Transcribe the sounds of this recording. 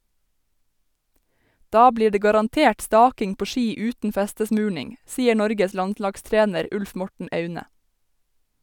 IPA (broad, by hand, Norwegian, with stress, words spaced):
ˈdɑː ˈbliː ˈɖeː ɡɑɾɑnˈteːʈ ˈstɑːkɪŋ ˈpoː ˈʃiː ˈʉːtn̩ ˈfæstəˌsmʉːɳɪŋ ˈsiːə ˈɳɔɾɡəs ˈlɑntˌlɑɡˌstɹeːnəɾ ˈʉlf ˈmɔʈɳ̩ ˈœʉnə